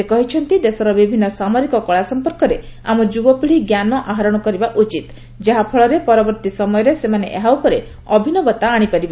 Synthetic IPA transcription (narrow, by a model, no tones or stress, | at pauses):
sekɔɦit͡ʃʰɔnt̪id̪esɔɾɔbibʱinːɔsamɔɾikɔkɔɭasɔmpɔɾkɔɾe | a̰mɔd͡ʒubɔpiɭiɡjanɔʔaɦaɾɔɽ̃ɔkɔɾibaʔut͡ʃit̪ | d͡ʒaɦapʰɔɭɔɾepɔɾɔbɔɾt̪isɔmɔjɔɾesemaneʔeɦawpʰɔɾe | ɔbʱinɔbɔt̪aːɽ̃ipaɾiba